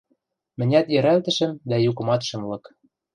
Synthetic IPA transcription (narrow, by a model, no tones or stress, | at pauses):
mɘ̆nʲæt̪jɘ̆ɾælt̪ɘ̆ʃɘ̆md̪æjukɤ̆mɑt̪ʃɤ̆mlɤ̆k